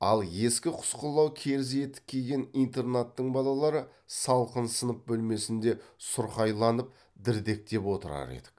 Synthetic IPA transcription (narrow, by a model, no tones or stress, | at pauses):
ɑ̰lˠje̞skʲɪqʰʊ̥sqəlˠːɑwkʲʰe̞ɾɪz̬e̞t̪ɪ̥p̚kʲʰːejɡʲe̞nijnt̪e̞rnat̪ːəɴbɑlˠɑlˠɑɾə | sɑlˠqənsənəp̚bɵlme̞sɪnd̪e̞sʊɾχɑjlˠɑnəp̚ | d̪ɪɾd̪e̞k̚t̪e̞pwo̞t̪əɾɑ̰ɾḛd̪ɪ̥k